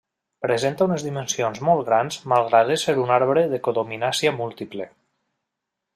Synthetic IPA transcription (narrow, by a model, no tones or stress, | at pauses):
pɾezent̪aunezðimensionzmɔlˠt̪ɣɾanzmalˠɣɾaðeseɾunaɾβɾeðekoðominasiamulˠt̪iple